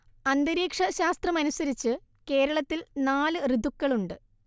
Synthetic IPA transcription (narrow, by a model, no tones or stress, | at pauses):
ɐnd̪ɐɾiːkʂɐɕaːst̪rɐmɐnusɐɾit͡ɕːɨ | ke̞ːɾɐɭɐt̪ːilnaːlɨrid̪ukːɐɭuɳɖɨ